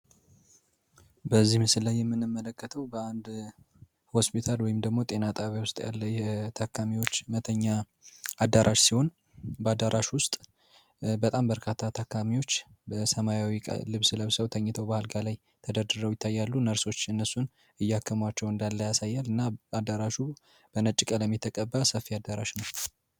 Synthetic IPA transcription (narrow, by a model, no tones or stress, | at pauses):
bəzːihmɨsɨllajːɛmːɨnɨmːələkːət̪ʰəwbəand̪ | ho̞spit̪ʰalwɔjɪmd̪əɡmo̞t̪ʼe̞nat̪ʼaβjawʊst̪ʼja̰lːəjɛt̪ʰakʰːamiwo̞t͡ʃːmət̪ʰəɲːa | ad̪aɾʔaʃsiho̞n | bəad̪aɾʔaʃwʊst̪ʼ | bət̪ʼambəɾkʰat̪ʰːat̪ʰakːamiwo̞t͡ʃːbəsəmajawikʼlɨβsləβsəwt̪ʰəɲːɪt̪ʰəwbahɨlɡalaj | t̪ʰəd̪əd̪ɨɾəwjɪt̪ʰːajːalːunəɾso̞t͡ʃːɨnːəsːun | ɨjːɛakʰːəmwat͡ʃːɛwɨnd̪alːəjasajːalɨnːaad̪aɾaʃu | b̥ənət͡ʃʼːɪkʼələmːit̪ʰːəkʼəbːasəfːiad̪ːaɾa̰ʃnəw